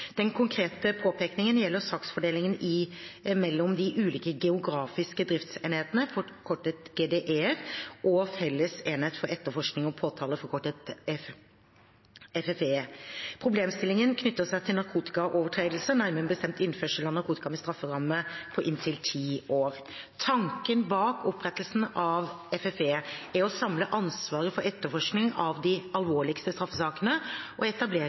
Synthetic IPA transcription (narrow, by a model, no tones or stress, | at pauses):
d̪̥ɛnkʰʊŋkʰɾeːt̪əpʰoːpʰeːknɪŋənjɛlːəɾsɑːksfɔɖeːlɪŋənʔɪmɛlːɔmd̪ɪʔʉːliːkəɡɛʊɡɾɑːfɪskəd̪ɾɪft̪seːnheːt̪nəfɔkʰɔʈːət̪ɡeːd̪eːʔeːʁʔɔfɛlːəseːnheːt̪fɔɾɛt̪ːəfɔʂknɪŋɔpʰoːt̪ʰɑːləfɔɾkʰɔʈːət̪ | ɛfɛfeːpʰɾʊbleːmst̪ɪlːɪŋənkʰnʏt̪ːəsæɪt̪ʰɪlnɑɾkʰuːt̪ɪ̥kɑʔoːʋəʈʰɾeːd̪l̩sənæɪmɛnbəst̪ɛmt̪ɪnføːʂəlɑnɑɾkuːt̪ɪkɑmɛst̪ɾɑfːəɾɑməpʰɔʔɪnt̪ʰɪlt̪ʰiːoːɾ | t̪ʰɑŋkənbɑːkʰɔpːɾɛt̪ːəlsn̩ʔɑʋ | ɛfɛfeːæɾɔsɑmləʔɑnsʋɑːɾəfɔɾɛt̪ːəfɔʂknɪŋɑʋd̪ɪɑlʋoːɭɪkst̪əst̪ɾɑfːəsɑːkənəʔɔɛt̪ɑbleː